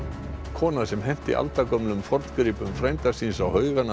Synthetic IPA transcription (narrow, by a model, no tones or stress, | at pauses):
kʰɔːnasɛmɦɛm̥t̪ɪ̰ʔa̰lt̪akɔmnʏmfɔɾt̪kɾiːpʏmfɾejmt̪asinsawhœːɥɣana